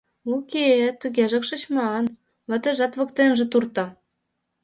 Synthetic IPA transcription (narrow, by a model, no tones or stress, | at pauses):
okʲet̪yɣʲeʒə̆kʃə̆t͡ɕmɑn | mə̆t̪ə̆ʒɑt̪βɤ̆kt̪enʒĕt̪urt̪ɑ̆